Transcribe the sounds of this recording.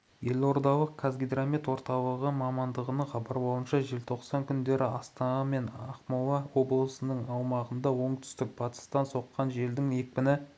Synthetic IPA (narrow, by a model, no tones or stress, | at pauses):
je̞lo̞ɾd̪ɑlˠəqkʰazɡʲijd̪ɾamit̪wo̞ɾt̪ɑlˠəʁəmɑmɑnd̪əʁənɑχɑbɑɾbo̞lˠənʃɑʒe̞lt̪ʰo̞qsɑŋkʲʰʏnd̪e̞ɾɪɑst̪ɑnɑme̞nɑqmowɑwo̞blˠəsənəɴɑwmɑʁənd̪ɑwo̞ɴt̪ʰʏ̥st̪ɪk̚pʰɑt̪ə̥st̪ɑnso̞qːɑnʒe̞ld̪ɪŋe̞k̚ʲpɪnɪ